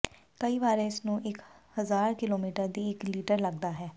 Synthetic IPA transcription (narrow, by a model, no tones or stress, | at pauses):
kəiːʋaːɾeːɪsnũːʔɪkhəzaːɾkɪloːmiːʈəɾd̪iːɪkliːʈəɾləɡ̚d̪aːɦɛː